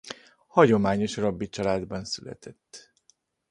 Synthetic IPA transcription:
hɒɟo̞maːɲo̞ʃrɒbːit͡ʃɒlaːd̪bɒnsylɛ̰t̪ʰɛt̪ː

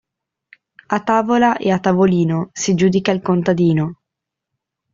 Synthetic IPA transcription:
at̪ːaːvolaʔeat̪ːavoliːnosid͡ʒuːd̪ikailkont̪ad̪iːno

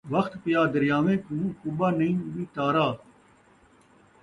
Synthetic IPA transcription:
ʋɐxt̪pɪjaːd̪əɾjaːʋẽːk̪ũːkubaːnəĩːmĩːt̪aːɾaː

